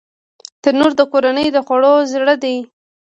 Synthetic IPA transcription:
t̪əɾnoɾd̪əkoɾanəjd̪əxwaɽozɽəd̪e

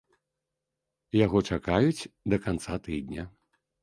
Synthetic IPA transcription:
jaɣɔt͡ʂakajut͡sʲd̪ɐkant̪sat̪ɨd̪ʲnʲɐ

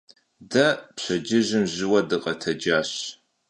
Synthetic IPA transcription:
dɐpɕɐd͡ʒɪʑɪmʑɪwɐdɨqʼɐtʰɐd͡ʒaːɕ

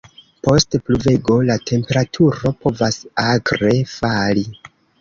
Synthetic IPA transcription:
po̞stpluve̞ɡo̞latʰe̞mpe̞ɾatʰuɾo̞po̞vasaɡɾe̞fali

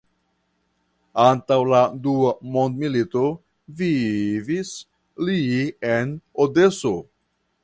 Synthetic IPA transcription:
ant̪awlad̪uamond̪milit̪o | vivis | lienod̪eso

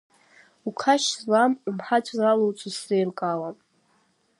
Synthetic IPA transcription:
ukʰaʃzlammħat͡ʃʷʰʼzalowt͡sʷʼusrejrkʼalan

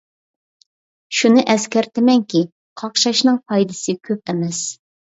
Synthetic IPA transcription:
ʃunɨʔɛskʲɛɾt̪ʰɪmɛŋkʲi | qʰɑqʃɑʃnɨŋpʰɑjd̪ɨsɨkʲʰøp̚ɛmɛs

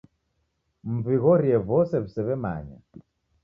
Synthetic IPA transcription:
m̩viɣɔɾiɛβɔsɛβisɛβɛma̰ɲa̰

